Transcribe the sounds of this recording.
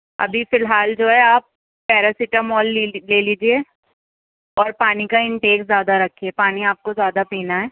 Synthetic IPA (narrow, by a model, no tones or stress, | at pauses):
ɐ̰bʱifɪlɦaːld͡ʒoːɦɛaːp̚ː | ɛːɾasɪʈəmɔːlleːliːd͡ʒieː | ɔːɾpaːnikaɪ̃ɳʈeːkzjaːd̪aɾɐkʰːiepaːniaːp̚kozjaːd̪apẽːnaɦɛː